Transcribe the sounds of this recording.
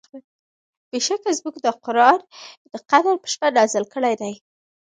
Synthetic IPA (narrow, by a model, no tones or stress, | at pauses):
beʃakazmukd̪əqʊɾɑɾd̪̥əqad̪aɾpə̥ʃpadɑzəlkəɽajd̪aj